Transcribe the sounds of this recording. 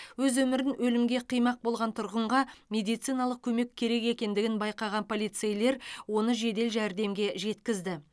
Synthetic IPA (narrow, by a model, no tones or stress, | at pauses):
wɵzwɵmɪɾɪnwɵlɪmɡʲe̞qʰijmɑq̚bo̞lˠʁɑnt̪ʰʊɾʁəɴʁɑmʲe̞d̪ijt̪sijnɑlˠəq̚kʲʰɵme̞kʲʰːe̞ɾe̞ke̞kʲe̞nd̪ɪɡʲɪnbɑjqɑʁɑnpʰo̞lʲijt̪sejle̞ɾwo̞nəʒe̞d̪e̞lʒæɾd̪e̞mɡʲe̞ʒe̞t̪kʲɪzd̪ɪ